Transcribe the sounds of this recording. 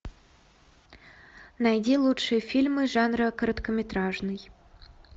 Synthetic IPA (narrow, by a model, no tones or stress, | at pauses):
næjd̪ʲilˠutʂɨjəfʲilʲmɨʒɑnrəkəɾət̪kəmʲet̪rɑʐnɨj